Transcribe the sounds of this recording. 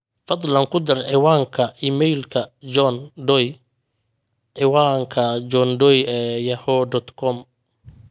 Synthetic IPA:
fɑd̪ˤlɐŋkʰʊd̪ɐrʕɪwɑːŋkʰɐiːmɛjlkʰɐd͡ʒɔnɖɔj | ʕɪwaːŋkʰɐd͡ʒɔnɖɔjɛjɐhɔd̪ɔt̪kʰɔm

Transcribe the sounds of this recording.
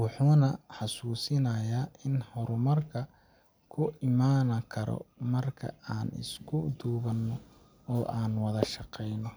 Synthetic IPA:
wɑħuːnɐħɑsuːsɪnɐjaːʔɪnhɔɾʊmɐrkʰɐ | kʰʊʔɪmaːnɐkʰɐɾɔ̰mɐrkʰɐ̰aːnɪ̰skʰʊd̪uːβɐnːɔ | ɔːʔaːnwɐðɐʃɑqɛjnɔ

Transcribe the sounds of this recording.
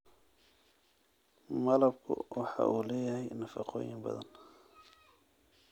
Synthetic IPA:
mɐlɐb̚kʰʊ̰wʔɑħɑ̰ʔuːlɛːjɐɦɛjnɐfɑqɔ̰ːjɪmbɐ̰ðɐ̰n

